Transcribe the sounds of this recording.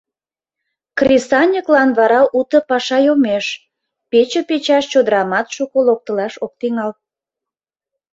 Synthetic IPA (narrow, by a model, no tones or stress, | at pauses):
krʲisɑnʲəklɑnβɑɾɑʔut̪ə̆pɑʃɑjomeʃ | pet͡ɕəpet͡ɕɑʃt͡ɕod̪əɾɑmɑt̪ʃukolok̚t̪əlɑʃok̚t̪iŋɑl